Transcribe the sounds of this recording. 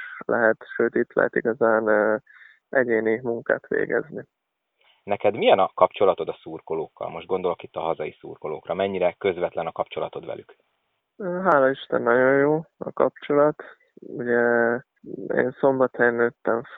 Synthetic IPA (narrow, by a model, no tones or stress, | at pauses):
lʔɛɦɛt̪ʃøːt̪it̪lɛ̰ɦɛ̰t̪iɡɒzaːnː | ʔɛɟeːnimuŋka̰ːt̪ʋḛːɡɛ̰zni | nɛkɛd̪mijɛnɒkɒpt͡ʃo̞lɒt̪o̞d̪ɒsuːrkoloːkːɒ̰lmo̞ʒd̪ɡo̞nd̪o̞lokit̪ːɒɦɒzɒjisuːrko̞lo̰ːkrɒmɛɲːiɾɛkø̞zvɛt̪lɛnɒkɒpt͡ʃo̞lɒt̪o̞d̪ʋɛ̰lyk | øːɦaːlɒiʃt̪ɛ̰nːɒɟo̞jjoːɒkɒpt͡ʃo̞lɒt̪ | uɟɛ | ḛːnso̞mbɒt̪ɛnøːt̪ːɛɱ